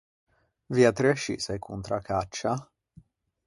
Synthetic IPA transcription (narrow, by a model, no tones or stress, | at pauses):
viat̪ɾeʃḭsajkʰunt̪ɾakat͡ʃːa